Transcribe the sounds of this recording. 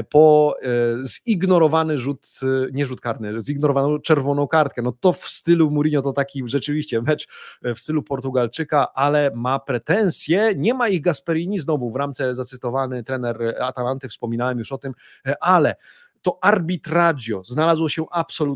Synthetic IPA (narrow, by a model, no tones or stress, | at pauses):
pɔ | ziɡnɔɾɔvanɘʐut̪ɲɛʐut̪̚kaɾnɘziɡnɔɾɔvanɔ̃w̃t͡ʂɛɾvɔnɔ̃w̃kaɾt̪̚kɛnɔt̪ɔfst̪ɘlumuɾʲiɲɔt̪ɔt̪akʲiʐɛt͡ʂɘvʲiɕt͡ɕɛmɛt͡ʂfst̪ɘlupɔɾt̪uɡalt͡ʂɘkaʔalɛmapɾɛt̪ɛñsʲjɛɲɛmaiɣɡaspɛɾʲiɲiznɔvuvɾamt̪sɛzat̪sɘt̪ɔvanɘt̪ɾɛnɛɾat̪alant̪ɘfspɔmʲinawɛmjuʂɔt̪ɘm | ʔalɛ | t̪ɔʔaɾbʲit̪ɾadjɔznalazwɔɕɛʔapsɔlu